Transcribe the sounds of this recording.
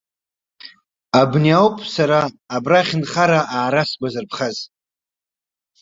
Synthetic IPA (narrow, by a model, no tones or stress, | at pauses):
abniawpʼsaɾaː | braχʲɪnχaɾaʔaːɾasɡʷʼazɨrpʰχaz